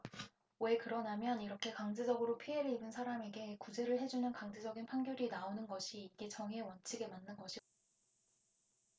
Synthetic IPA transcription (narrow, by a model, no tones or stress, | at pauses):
we̞kɯɾʌnamjʌniɾʌkʰe̞kaŋd͡ʑed͡ʑʌɡɯɾopʰie̞ɾɯibɯnsʰaɾame̞ɡe̞kud͡ʑe̞ɾɯɭɦe̞d͡ʑunɯnkaŋd͡ʑed͡ʑʌɡinpʰaŋɡjʌɾinaonɯnɡʌɕʰiːɡe̞t͡ɕʌŋɦe̞wʌnt͡ɕʰiɡe̞manːɯnɡʌɕʰi